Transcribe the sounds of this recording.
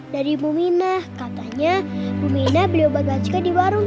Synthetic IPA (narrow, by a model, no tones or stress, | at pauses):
daɾimuminahkat̪aɲabuminahbəliawbarbat͡ʃkadiwaɾʊŋ